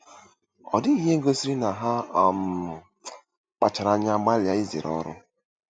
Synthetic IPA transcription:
ɔ̰˨dɪ˦i˦ɦe˦ɡo˦si˦ɾi˦na˨ɦa˦a˨m˨ | k͡pa˨t͡ʃa˨ɾa˨˦ɲa˦ɡ͡ba˦lja˦i˦zḭ˨ɾɔ̰˦ɾʊ̰˦

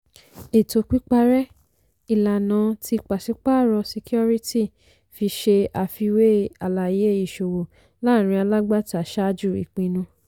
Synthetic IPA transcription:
e˨to˧k͡pi˦k͡pa˧ɾɛ˦ | i˦˨la˨nã˧˦ti˧k͡pa˨si˨˦k͡pa˦˨ɾɔ˧si˧ki˦ɔ˦ɾi˦ti˦˨ | fi˧ʃe˧a˨fi˧we˦a˨la˨je˦i˦˨ʃo˨wo˨ | la˦˨ɾ̃ĩ˧a˧la˦ɡ͡ba˦˨ta˨ʃa˦d͡ʒu˦˨ḭ˨k͡pĩ˧nũ˧

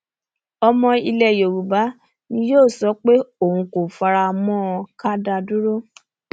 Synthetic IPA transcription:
ɔ˧mɔ̃˧i˧lɛ˨jo˨ɾu˨ba˨˦ | nĩ˧˦joː˦˨sɔ˨˦k͡pe˦o˦˨hũ˧ko˨fa˧ɾa˧mɔ̃˦˧ka˦da˧du˦ɾo˦

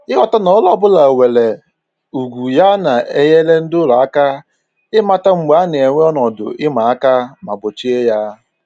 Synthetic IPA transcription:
ɪ˦ɣɔ˨ta˦nɔ˨˦lɔ˦bʊ˦la˨we˨le˨ | u˨ɡʷu˨ja˦na˨e˦je˦le˦n̩˦dʊ˦la˨a˦ka˦ | ɪ˦ma˦ta˦ŋ͡m̩˨ɡ͡ba˨˦n˨e˨ŋʷe˦ɔ˦nɔ˨dʊ̰˨ʔɪ˦ma˨a˦ka˦ma̰˨bʊ˨t͡ʃi˦e˦ja˦

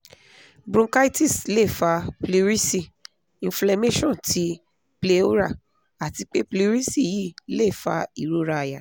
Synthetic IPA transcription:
bɾũ˦ka˦i˦ti˦˨sle˦˨fa˧pli˧ɾi˦si˦˨ | ĩ˨fla˧me˦ʃɔ̃˦˨tʰi˨˦ | ple˧˦o˦ɾa˦˨ | a˨ti˧k͡pe˦pli˧ɾi˦si˦˨ji˦˨le˦˨fa̰˧i˦˨ɾo˨˦ɾa˧a˨ja˨

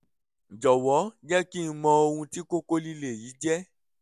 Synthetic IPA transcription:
d͡ʒɔ˨wɔ˨˦d͡ʒɛ˦ki˦mɔ̃˧o˧hũ˧ti˦ko˦ko˦li˦le˨ji˨˦d͡ʒɛ˦

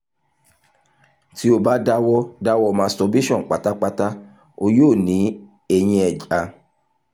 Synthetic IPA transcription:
ti˨˦o˧ba˦da˦wɔ˦da˦wɔ˦˧˨mã˧stɔ˧bi˦ʃɔ̃˦˨k͡pa˨˦ta˦k͡pa˦ta˦ | o˧joː˦˨nĩ˨˦ | e˧j̃ĩ˧ɛ˨d͡ʒa˨˧

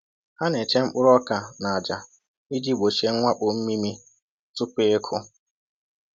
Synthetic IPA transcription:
ha˦ne˨t͡ʃe˦ŋ͡m̩˦k͡pʊ˦ɾɔ˦ka˨na˨a˨d͡ʒa˨ | i˦di˦ɡ͡bo˨ʃe˦ŋ̩˦ŋʷa˦k͡pʊ˨m̩˦mi˦mi˦ | tʊ˦k͡pe˦e˦kʰʊ˦

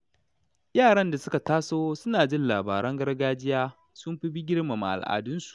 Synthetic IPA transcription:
jaː˦˨ɽɐ˦nda˨sʊ˦ka˨taː˦soː˦sʊ˦naː˨d͡ʒɪ˦nlaː˨ba̰ː˨ɽɐ˦ŋɡɐ˦rɡaː˦d͡ʒɪ˦jaː˦ | sʊ˦mɸɪ˦ɸi˦ɡʲɪ˦ɽma˨ma̰˨ʔa̰˨lʔa̰ː˨dʊ˦nsu̥˨ʔ

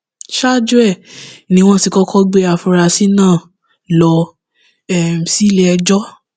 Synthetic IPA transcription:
ʃa˦˨d͡ʒu˦ɛ˦˨nĩ˧˦w̃ɔ̃˦ti˧kɔ˦kʰɔ˦ɡ͡be˦a˨fɔ˧ɾa˧si˦nãː˦˨ | lɔ˧ | ɛ˨m̩˨si˦le˧ɛ˧d͡ʒɔ˦

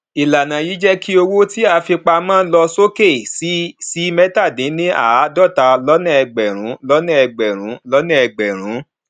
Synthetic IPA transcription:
i˨la˨nã˨ji˨˦d͡ʒɛ˦kʰi˦o˧wo˦ti˦a˧fi˧k͡pa˧mãː˦lɔ˧so˦ke˦˨si˦si˦mɛ˦ta˦˨dĩ˨˦nĩ˦a˦˨˦dɔ˦˨ta˨˧lɔ˦nã˦˨ɛ˧ɡ͡bɛ˨ɾ̃ũ˨˦lɔ˦nã˦ɛ˧ɡ͡bɛ˨ɾ̃ũ˨˦lɔ˦nã˦˨ɛ˧˨ɡ͡bɛ˨ɾ̃ũ˨˦

